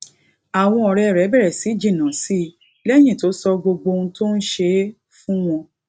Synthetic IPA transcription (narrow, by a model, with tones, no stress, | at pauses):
a˨w̃ɔ̃˧ɔ˨ɾɛ˧˨ɾɛ˨˦bɛ˦˨ɾɛ˨si˨˦d͡ʒĩ˦˨nã˨˦si˦˨ | lɛ˦j̃ĩ˦˨to˨˦sɔ˧ɡ͡bo˧ɡ͡bo˧ũ˧˦to˦n̩˦ʃe˧˦ | fũ˦w̃ɔ̃˧